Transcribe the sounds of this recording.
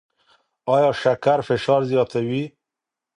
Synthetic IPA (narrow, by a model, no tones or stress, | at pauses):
ɑjɑʃakaɾfɪʃɑɾzjɑt̪awi